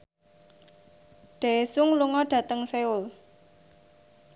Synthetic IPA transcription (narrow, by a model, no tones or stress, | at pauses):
ɖ̥a̤esʊŋluŋɔɖ̥ä̤t̪əŋseʊl